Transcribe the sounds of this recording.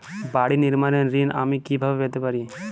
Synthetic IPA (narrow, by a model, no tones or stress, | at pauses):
baːɽinɪɾmanenɾinʔa̰ːmikibʱaːbeʋeːt̪epaɾiẽ